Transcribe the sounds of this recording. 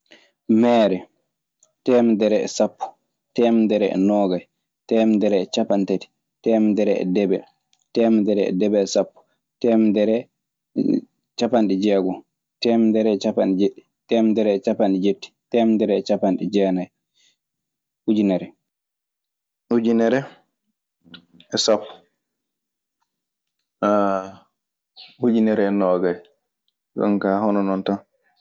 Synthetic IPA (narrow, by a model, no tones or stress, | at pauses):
mɛːɾɛ | tɛːmdɛɾɛɛ̰sapːu̥ | tɛmdɛɾɛɛ̰nɔːɡaj | tɛmdɛɾɛɛt͡ʃapantati̥ | tɛːmdɛɾɛɛ̰dɛbɛ | tɛːmdɛɾɛɛ̰dɛbɛːsapːu̥ | tɛmdɛɾɛ | t͡ʃapanɗid͡ʒɛːɡɔ | tɛːmdɛɾɛɛt͡ʃapanɗid͡ʒeɗːi̥ | tɛmdɛɾɛt͡ʃapanɗid͡ʒetːi̥tɛmdɛɾɛt͡ʃapanɗɛd͡ʒɛːnaj | hud͡ʒinɛɾɛ | hud͡ʒinɛɾɛ | ɛsapːu̥ | a | hud͡ʒinɛɾɛːnɔɡaj | ɡɔ̰nkahɔnɔnɔntan